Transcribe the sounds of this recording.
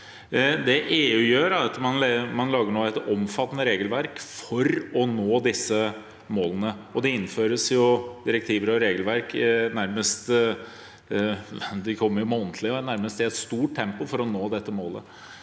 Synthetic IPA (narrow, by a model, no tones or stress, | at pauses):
d̪ɛʔeːʉːjøːɾɛt̪ːmɑnmɑnlɑːɡəɳoːæɛt̪ɔmfɑt̪ːənəɾeːɡəlʋæɾkfɔɾɔnoːd̪ɪsːə | moːlənəɔd̪ɛɪnːføːɾəsjʊd̪ɪɾɛk̚t̪ʰiːʋəɾɔɾeːɡəlʋæɾknæɾməst̪ | d̪ɪkʰɔmːəɾjʊmɛɔnt̪ʰlɪnæɾməst̪ɪɛt̪st̪uːʈ̚ʈ̪ʰːɛmpʊfɔɾɔnoːd̪ɛt̪ːəmoːlə̰